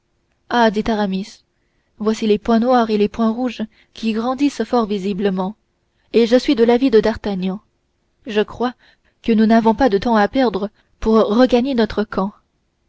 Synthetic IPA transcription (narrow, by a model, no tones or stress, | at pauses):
ad̪it̪aʁamis | vwasilepwɛ̃nwaːʁelepwɛ̃ʁuʒ | kʲiɡʁɑ̃d̪isfɔʁvizibləmɑ̃ | eʒəsɥid̪əlavid̪əd̪aʁt̪aɲjɑ̃ | ʒəkχwa | kənunavɔ̃pad̪ət̪ɑ̃apɛʁd̪ʁə | puʁːəɡaɲenɔt̪χəkʰɑ̃